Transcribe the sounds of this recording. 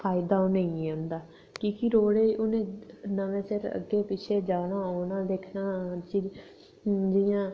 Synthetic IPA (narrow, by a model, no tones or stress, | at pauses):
pʰaːɪd̪aːoːnəĩeʊ̃nd̪aː | kiːkɪɾoːɽeːʔʊnẽːnəʋẽːsɪɾə̰ɡːeːpɪt͡ʃʰeːd͡ʒaːɽaːoːnãːd̪eːkʰnaːt͡ʃi | d͡ʒɪjãː